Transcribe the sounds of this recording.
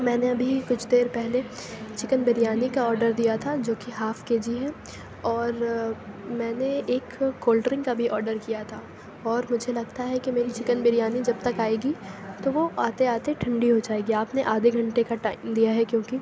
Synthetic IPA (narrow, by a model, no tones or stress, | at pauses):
mɛ̃ːneɐbʱikʊt͡ʃʰd̪eːɾpɛɦlet͡ʃɪkənbɪɾijaːnikaɔːɾɖəɾd̪ijat̪ʰad͡ʒoːkiɦaːfkeːd͡ʒiɦɛ̃ː | ɔːɾ | mɛ̃ːneeːkːoːlʈɾɪ̃ŋɡkabʱiʔɔːɾɖəɾkijat̪ʰa | ɔːɾmʊd͡ʒʱelɐɡ̚t̪aɦɛkimeːɾit͡ʃɪkənbɪɾijaːnid͡ʒɐb̚t̪ɐkaːeːɡit̪oʋoaːt̪eaːt̪eʈʰɐ̃ɳɖiɦod͡ʒaːeːɡiaːpneʔaːd̪ʱeɡʱɐ̃ɳʈekaʈaːɪmd̪ijaɦɛkjõːki